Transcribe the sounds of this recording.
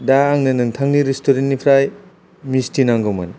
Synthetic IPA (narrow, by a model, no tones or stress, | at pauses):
daːŋnɯnɯŋtʰaŋniɾistoɾennipʰɾaj | mistʰinaŋɡɔma̰n